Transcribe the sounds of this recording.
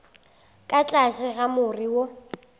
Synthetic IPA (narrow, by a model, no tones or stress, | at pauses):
kʼat͡ɬʼasɪɣamʊriwo